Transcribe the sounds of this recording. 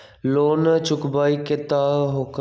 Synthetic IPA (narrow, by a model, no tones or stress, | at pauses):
loːnt͡ʃʊkbaːikɪt̪aːɦok